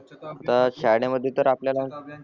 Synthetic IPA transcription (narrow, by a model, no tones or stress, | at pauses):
at̪aɕajɽaməd̪ʱːjet̪əɾapljalaut̪